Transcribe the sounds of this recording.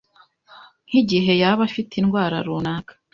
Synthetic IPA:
n̥hiɟiɦe̞jaβafitinɡwaːɾa̰ɾunaːkḁ

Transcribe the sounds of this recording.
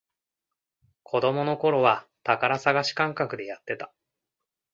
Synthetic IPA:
kʰo̞d̪o̞mo̞no̞ko̞ɾo̞βat̪akaɾasaɡaɕi̥kãŋkakɯ̟d̪e̞jat̪ːe̞t̪ḁ

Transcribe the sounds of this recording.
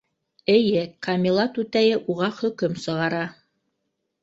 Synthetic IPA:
ɘ̆jɘkɑmʲilˠɑt̪ʉt̪æjɘʔuʁɑχɵ̆kɵmsɤ̆ʁɑɾɑ

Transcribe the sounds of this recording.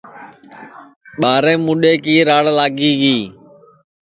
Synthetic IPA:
ɓaːɾẽːmʊɗeːkiːɾaːɽlaːɡiːɡiː

